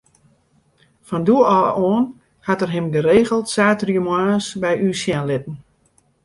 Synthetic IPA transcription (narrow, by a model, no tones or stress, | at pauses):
fɔnduəɔːɔːn | hatərɦɪmɡəɾeːɣəlˠtsaːtryəmwaːsbɛjʔyːsjanlɪtn̩